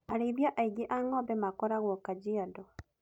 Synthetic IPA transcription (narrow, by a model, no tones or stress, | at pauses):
aɾiβjaʔaiɡiʔaŋɔbɛmakɔɾaɣwɔkad͡ʒiadɔ